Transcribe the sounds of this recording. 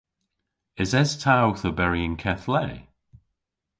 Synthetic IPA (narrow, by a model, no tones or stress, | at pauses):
ɪzɛz̥tʰawθəbɛɹiə̃ŋkʰɛθlɛː